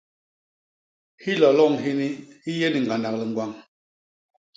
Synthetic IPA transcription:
hi˦lɔ˨lɔ˦˨ŋɦi˦ni˦hi˦je˦ni˨ŋ̩˨ɡa˨nda˨kli˨ŋ˨ɡwa˨ŋ

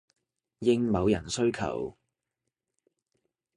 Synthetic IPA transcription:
jɪ˥ŋmɐ˨˧wjɐ˨˩nsɵ˥ɥkʰɐ̰˨˩w

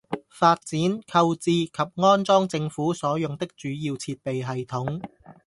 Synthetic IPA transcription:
faː˧t̚t͡siː˨˥nkʰɐ˧wt͡siː˨˧kʰɐ˨p̚ŋɔː˥nt͡sɔː˥ŋt͡sɪ˧ŋfuː˨˥sɔː˨˥jʊ˨ŋt̪ɪ˥k̚t͡ʃyː˨˥jiː˧wt͡sʰiː˧t̚pe˨jɦɐ˨jt̪ʰʊ˨˥ŋ

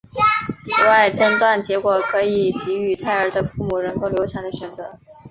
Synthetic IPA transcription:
t͡s̩ʰ˨˩wa˥˩ɪʈ͡ʂə˥nt̪wa˥˩nt͡ɕjɛ˧˥kwɔ˨˩kʰɤ˧˥i˨˩t͡ɕi˧˥y˨˩t̪ʰa˥˩ɪə˞˧˥d̪ə˧fu˥˩mu˨˩ɻə˧˥ŋko˥˩ʊljʊʈ͡ʂʰjɑ˧˥ŋd̪ə˧ɕɥɛ˨˩nt͡sɤ˧˥

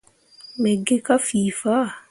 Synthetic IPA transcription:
mɛ˨ɡe˦ka˦fiː˨fa˦˨

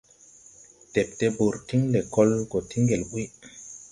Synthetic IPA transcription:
te˨p̚te˦ɓo˨ɾti˦ŋle˨kɔ˦lɡɔ˨ti˦ŋɡe˨lɓu˦j

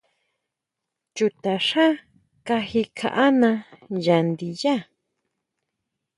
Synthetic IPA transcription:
t͡ʃu˨t̪a˨ʂa˦ | ka˧hi˦kʰa̰˨ʔa˦nã˧ja˨nd̪i˨ja˦

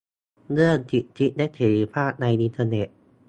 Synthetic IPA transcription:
nɯ˥˩ənt̪ʰi˨˩t̪ʰi˦˥t̪̚nɛ˦˥t̪ʰeː˨˩i˧pʰaː˥˩t̪̚na˧jʔi˧nt̪ʰaː˧ne˨˩t̪̚

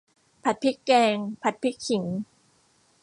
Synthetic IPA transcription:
pʰa˨˩t̪̚pʰi˦˥kːɛː˧ŋpʰa˨˩t̪̚pʰi˦˥k̚kʰi˩˦ŋ

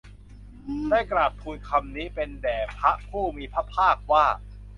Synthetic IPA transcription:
daː˥˩jkɾaː˨˩t̪̚pʰuː˨˧jkʰa˧mniː˦˥pe˧ndɛː˨˩pʰa˦˥ʔpʰuː˥˩miː˧pʰa˦˥pʰaː˥˩k̚waː˥˩

